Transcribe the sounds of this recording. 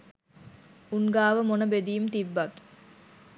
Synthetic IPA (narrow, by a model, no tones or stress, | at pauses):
uŋɡaːʋəmonɐbed̪iːumt̪iʋːɐt̪u̥